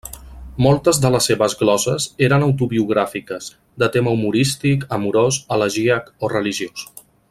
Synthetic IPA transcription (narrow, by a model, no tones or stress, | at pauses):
molˠt̪əzðələsːeβəzɣlɔsəzeɾənəwt̪̬uβiuɣ̞ɾafikəz̥ | d̪ət̪eməumuɾist̪ikəmuɾosələʒiəkorəliʒios